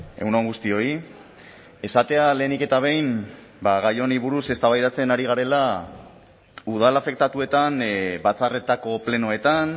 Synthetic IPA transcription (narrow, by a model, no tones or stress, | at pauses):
e̞̰wnoŋɡust̪io̞i | e̞sat̪e̞ale̞ːnike̞t̪aβ̞e̞jn | baɣajo̞niβuɾuse̞st̪aβajðat͡se̞naɾiɣ̞aɾe̞la | uð̞alafe̞k̚t̪at̪ue̞t̪anbat͡sare̞t̪ako̞ple̞no̞e̞t̪an